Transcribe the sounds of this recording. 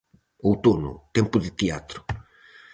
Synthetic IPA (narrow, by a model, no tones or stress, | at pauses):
owt̪onʊ̰t̪ɛmpʊðɪt̪eat̪ɾʊ